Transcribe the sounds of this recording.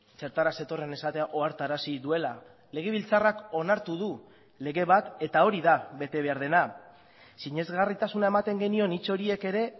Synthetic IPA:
t͡se̞ɾt̪aɾase̞t̪o̞re̞ne̞sat̪e̞aʔo̞aɾt̪aɾasiðue̞la | le̞ɣ̞e̞βilt͡sarako̞naɾt̪uðu | le̞ɣe̞βat̪e̞t̪ao̞ɾiðaβe̞t̪e̞β̞e̞aɾð̞e̞na | siɲe̞zɣarit̪asunae̞mat̪e̞ŋɡe̞nio̞nit͡so̞ɾie̞ke̞ɾe̞

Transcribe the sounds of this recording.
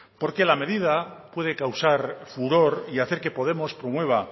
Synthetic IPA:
po̞ɾke̞lame̞ðiðapwe̞ð̞e̞kawsaɾfuɾo̞ɾiaθe̞ɾke̞po̞ð̞e̞mo̞spɾo̞mwe̞β̞a

